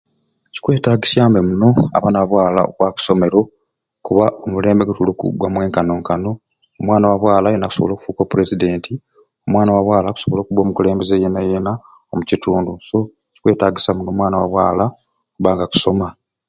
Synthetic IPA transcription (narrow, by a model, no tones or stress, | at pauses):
ci̥kwe̞ːtaːɡisjaːmbemuno̞a̰βanaββwaːlao̰kwaːku̥so̞me̞ɾo̞ | kuβaomule̞ːmbeɡutulukṵɡwamwe̞ːŋkano̞ːŋkano̞ː | mwaːnawaβwaːlajenaku̥so̞̰βolo̞ːku̥fuːkopuɾe̞zide̞ːnti | omwaːnawaβwaːlaku̥so̞βoloːkuβwo̞ːmukuleːmbezejenajena | omucituːnduso̞ | ci̥kwe̞ːtaːɡisamuno̞ːmwaːnawa̰βwa̰ːla | kuβaːŋɡaku̥so̞ma